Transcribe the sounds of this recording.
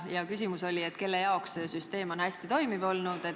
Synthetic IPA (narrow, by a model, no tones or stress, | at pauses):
jɑkys̬ʲimuso̞lʲiet̪ːke̞lːejɑoksesyst̪e̞ːmo̞nhæsʲt̪it̪o̞jmivo̞lnud̪̥e̞